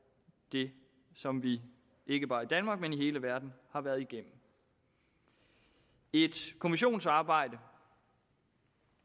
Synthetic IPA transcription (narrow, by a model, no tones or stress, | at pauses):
d̥e̝ | sɒ̽mʋi | ʔe̝ɡ̥əb̥ɑ̈ːid̥ænmɑ̈ːɡ̥̚meniɦe̝ːləʋæɐd̥n̩hɑ̈ʋæɐðˠiɡ̥em̰m̩ | e̝d̥kʰo̝miɕo̝̰ːnsɑ̈ːb̥ɑ̈ɪ̰d̥ə